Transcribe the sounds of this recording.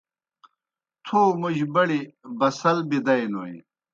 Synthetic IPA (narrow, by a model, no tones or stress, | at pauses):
t̪ʰoːmuʑbɐɽibɐsɐlbid̪ɐjnoːj̰